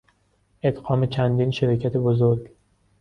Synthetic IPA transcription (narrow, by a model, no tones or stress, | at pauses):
ʔet̪ɢɒːmet͡ʃʰænd̪iːnʃeɾɒːcʰæt̪ʰebozoɾɡ